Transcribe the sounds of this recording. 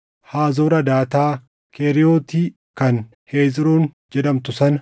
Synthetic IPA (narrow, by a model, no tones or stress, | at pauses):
haːzoːɾɐd̪aːt̪aː | kʰeɾɪjoːt̪iː | kɐn | heːd͡ʒɪɾoːn | d͡ʒɛᶑɐmt̪ʊsɐnɐ